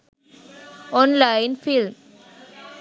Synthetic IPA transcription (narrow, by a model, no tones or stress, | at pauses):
ɔnlaɪnfilm